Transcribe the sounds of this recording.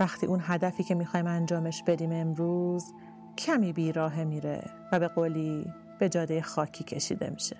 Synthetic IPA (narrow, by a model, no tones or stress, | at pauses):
væxt̪ʰḭːʔunɦæd̪æfiːcʰe̞mixɒːimænd͡ʒɒːme̞ʃb̥e̞d̪iːme̞mɾuːz | cʰæmiːbiːɾɒːɦe̞miːɾḛ | væbe̞ɣoːliː | b̥e̞d͡ʒɒːd̪ejexɒːcʰiːcʰe̞ʃḭːd̪e̞̰miʃe̥